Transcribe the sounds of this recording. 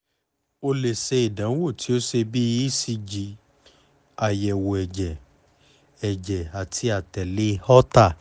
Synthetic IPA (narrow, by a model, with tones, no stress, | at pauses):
o˧le˨se˧i˨dã˨˦wo˦˨ti˨˦o˦se˧bi˦si˧d͡ʒi˨˦ | a˨jɛ˨wo˨ɛ˨d͡ʒɛ˨ | ɛ˨d͡ʒɛ˨a˨tʰi˧a˨tɛ˨le˧˦hɔ˦ta˦˨